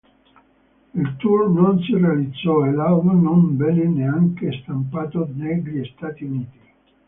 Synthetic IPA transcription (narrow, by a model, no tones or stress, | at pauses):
ilt̪urnonsirealid̪zːɔelawvanonbɛnːeneaŋkest̪ampaːt̪onɛɡʎiist̪aːt̪iuniːt̪i